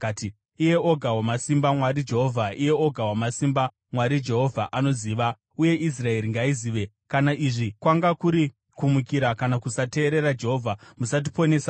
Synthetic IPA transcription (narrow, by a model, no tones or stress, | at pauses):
ati | ije̞oɡʱawamasimbamwaɾid͡ʒe̞ɦo̞vʱaʔije̞oɡʱawamasimba | mwaɾid͡ʒe̞ɦo̞vʱaʔano̞ziːʋa | uje̞ʔis̬rae̞ɾiŋɡaiziːʋe̞ | kanaʔiʐikwaŋɡakuɾi | kumukiɾakanakusate̞ːɾe̞ɾad͡ʒe̞ɦo̞vʱamusat̬ipo̞ne̞ːsa